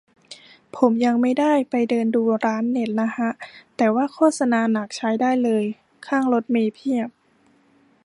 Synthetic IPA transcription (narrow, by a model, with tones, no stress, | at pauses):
pʰo˩˦mja˧ŋma˥˩jdaː˥˩jpa˧jdɤː˧nduː˧ɾaː˦˥nːe˨˩t̪̚na˦˥ha˦˥ʔt̪ɛː˨˩waː˥˩kʰɔː˥˩t̪̚sa˧naː˧na˨˩k̚t͡ɕʰa˦˥jdaː˥˩jlɤː˧j | kʰaː˥˩ŋlo˦˥t̪̚meː˧pʰi˥˩əp̚